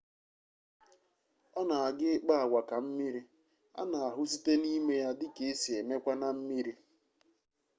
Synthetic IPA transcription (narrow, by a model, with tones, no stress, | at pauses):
ɔ˦na˨a˨ɡɪ˦k͡pa˦a˨wʷa˨ka˨m̩˦mi˦ɾi˦ | a̰˦na˨a˨ɦʊ˦si˦te˦ni˦me˦ja˦dɪ˦ke˨e˦si˨e˨me˦kʷa˦na˨m̩˦mi˦ɾi˦